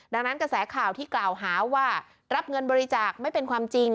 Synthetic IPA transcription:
da˧ŋna˦˥nkɾa˧sɛː˩˦kʰaː˨˩wt̪ʰiː˥˩klaː˨˩wɦaː˩˦waː˥˩ | ɾa˦˥p̚ŋɤ˧nbɔː˧ɾi˦˥t͡ɕaː˨˩k̚ma˥˩jpe˧nkʰwaː˧mt͡ɕi˧ŋ

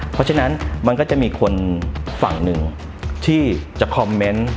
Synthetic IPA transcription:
pʰɔ˦˥t͡ɕʰa˥˧na˦˥nma˧nkɔː˥˩t͡ɕa˨˩miː˧kʰo˧nfa̰˨˩ŋnɯ˨˩ŋ | t̪ʰiː˥˩t͡ɕa˨˩kʰɔ˧mːe˦˥n

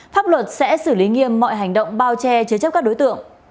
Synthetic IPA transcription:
faː˦˥p̚lwə˨˩t̚sɛ̰˧˥sɨ˧˩li˨˦ŋi˧əmːɔ̰˧˨jɦa˨˩jŋ̟ɗə̰˧˨wŋ͡mɓaː˧wt͡ɕɛ˧t͡ɕɨ˧˦t͡ɕə˦˥p̚kaː˦˥k̚ɗo˨˦jt̪ɨ̰˧˨əŋ

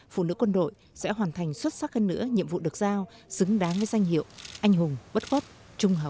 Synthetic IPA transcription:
fṵ˧˨nɨ̰˧˥kwə˧nɗo̰˧˨j | sɛ̰˧˥ɦwaː˨˩nt̪ʰa˨˩jŋ̟swə˦˥t̚sa˦˥həː˧nːɨ̰˧˥əɲḭ˧˨əmvṵ˧˨ɗɨ˨˩ək̚zaː˧wsɨ˨˦ŋɗaː˨˦nvəː˨˦jza˧jŋ̟hḭ˧˨əwʔa˧jŋ̟ɦʊ˨˩ŋ͡mɓə˦˥t̚ɣə˦˥p̚ | t͡ɕʊ˧ŋ͡mɦəː˨˩w̚

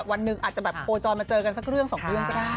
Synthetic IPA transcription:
p̚wa˧nːɯ˨˩ŋʔaː˨˩t̪t͡ɕa˨˩bɛː˨˩p̚kʰoː˧t͡ɕɔː˧nmaː˧t͡ɕɤː˧ka˧nsa˦˥k̚ɾɯ˥˩əŋsɔː˩˦ŋɾɯ˥˩əŋkɔ˥daː˥˩

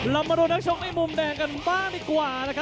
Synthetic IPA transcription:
la˧˩mːa˧du˧nːa˦˥k̚sʰo˦˥k̚ha˦˥˩mu˧mdɛː˧ŋka˧nbaː˥˩ŋdiː˨˩kwaː˨˩na˦˥kʰa˦˥

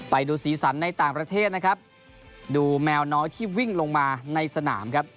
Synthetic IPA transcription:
pa˨jduː˧siː˩˦sa˩˦nːa˧jt̪aː˨˩ŋpɾa˧t̪ʰeː˥˩t̪̚na˦˥kʰa˦˥p̚ | duː˧mɛː˧wnɔː˦˥jt̪ʰiː˥˩wi˥˩ŋlo˧ŋmaː˧na˧jsa˧na̰ː˩˦mkʰa˦˥p̚

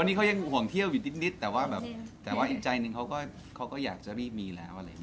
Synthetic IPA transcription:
wa˧nːiː˦˥kʰa˦˥ja˧ŋ˨hu˨˩əŋt̪ʰi˥˩əwjuː˨˩ni˦˥ni˦˥t̪ːɛː˨˩waː˥˩bɛː˨˩p̚t̪ɛː˨˩waː˥˩ʔi˨˩k̚t͡ɕa˧jnɯ˧ŋkʰa˦˥wkɔː˥˩ | kʰa˦˥wkɔː˥˩jaː˨˩k̚t͡ɕa˨˩ɾiː˥˩p̚miː˧lɛ̰ː˦˥wʔa˧ɾa˧j

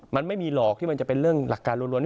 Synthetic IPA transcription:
ma˧nma˥˩jmiː˧lɔː˨˩k̚t̪ʰi˥˩ma˧nt͡ɕa˨˩pe˧nɾɯ˥˩əŋla˨˩kːaː˧nɾu˧nɾu˧nt̪

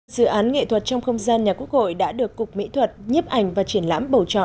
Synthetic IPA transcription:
z̥ɨ̰˧˨ʔaː˨˦nŋḛ˧˨t̪ʰwə˨˩t̚t͡ɕɔ˧wŋ͡mxə˧wŋ͡mzaː˧nɲaː˨˩ku˦˥ək̚ho̰˧˨jɗa̰ː˧˥ɗɨ˨˩əkːʊ˨˩k͡p̚mḭ˧˥t̪ʰwə˨˩t̚ɲə˦˥p̚ʔa˨˩jŋ̟vaː˨˩t͡ɕi˧˩ənla̰ː˧˥mɓə˨˩wt͡ɕɔ̰˧˨

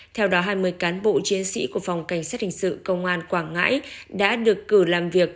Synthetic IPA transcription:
t̪ʰɛ˧wɗɔ˨˦ɦaː˧jmɨ˧əjkaː˨˦nɓo̰˧˨t͡ɕi˨˦ənsḭ˧˥ku˧˩əfa˨˩wŋ͡mka˧˩jŋ̟saː˦˥t̚hï˨˩ŋ̟sɨ̰˧˨kə˧wŋ͡mʔaː˧nkwaː˧˩ŋŋa̰ː˧˥jɗa̰ː˧˥ɗɨ˨˩əkːɨ˧˩laː˨˩mvi˨˩ək̚

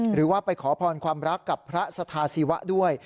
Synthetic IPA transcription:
ɾɯː˩˦waː˥˩pa˧jkʰɔː˩˦pʰɔː˧nkʰwaː˧mɾa˦˥kːa˨˩pʰːɾa˦˥sa˧t̪ʰaː˧siː˨˦wa̰˦˥ʔdu˥˩əj

